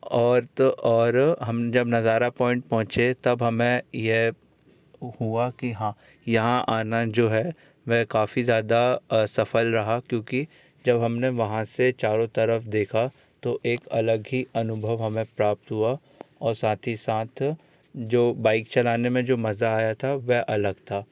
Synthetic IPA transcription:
ɔːɾt̪oʔɔːɾɦɐmd͡ʒɐbnɐzaːɾapɔːɪ̃ɳʈ̚pɔ̃ɦʊ̃t͡ʃet̪ɐbɦɐmẽjeɦ | huakiɦãː | jɐɦãʔaːnad͡ʒoːɦɛ | ʋɛkaːfizjaːd̪asɐfəlɾɐɦakjõːki | d͡ʒɐbɦɐmneʋɐɦãset͡ʃaːɾõt̪ɐɾəfd̪eːkʰa | t̪oʔeːkɐləɡɦiɐnʊbʱəʋɦɐmẽpɾaːp̚t̪ɦua | ɔːɾsaːt̪ʰisaːt̪ʰ | d͡ʒoːbaːɪkt͡ʃɐlaːnemẽd͡ʒoːmɐzaːjat̪ʰaʋɛɦʔɐləɡt̪ʰaː

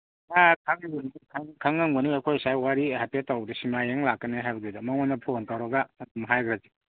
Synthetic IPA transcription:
akʰaŋnkʰaŋkʰaŋːaŋbɐniɐkʰojsajwaɾihapetːawbdɐsimajeŋlakːɐneɦajbɐɡidɐmaŋmanɐpʰontawɾɐɡaːdumɦajɡʰɾazi

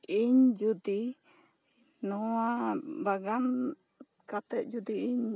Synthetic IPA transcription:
ʔiɲd͡ʒud̪i | nɔwabaɡan | kat̪ɛt̪̚d͡ʒud̪iiɲ

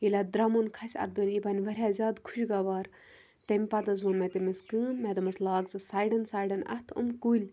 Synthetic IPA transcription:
ilʲad̪ɾɐmunkʰɐsʲɐ̰t̪̚bɐlʲipɐnʲʋɐɾʲjaːzʲaːd̪kʰu̥ʃɡaʋaːɾ | t̪emʲpɐt̪ɐzuːnmet̪imiskɨːnmed̪ɐmɐslaːkzɨsaːjɖɐnsaːjɖɐnɐ̰t̪ʰṵmkulʲ

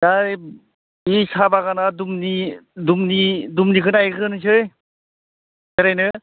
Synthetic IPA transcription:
daj | isabaɡanadumnidumnidumnikʰɯnajkʰɯnɯs̬ɯj | eɾajnɯ

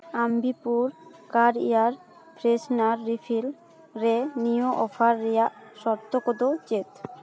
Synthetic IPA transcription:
ambipuɾkaɾḭaɾ | pɾesnaɾːifʰil | ɾenijoʔɔfʰaɾːijaʔʃɔɾt̪ːokod̪ot͡ɕet̪

